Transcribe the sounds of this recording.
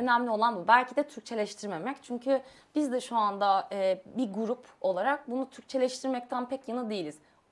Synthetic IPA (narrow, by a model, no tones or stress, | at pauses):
ø̞næmlʲio̞lˠanbubælʲcʰid̪ɛt̪ʰyɾc̚t͡ʃʰe̞lʲɛʃt̪ʰiɾmemɛct͡ʃʰyɲcʰy | b̥izd̪ɛʃuand̪aɛːbiɡuɾupo̞lˠaɾak̚bunut̪ʰyɾc̚t͡ʃʰe̞lʲɛʃt̪ʰiɾmɛc̚t̪ʰænpʰɛcjanˠɯd̪eilʲiz̥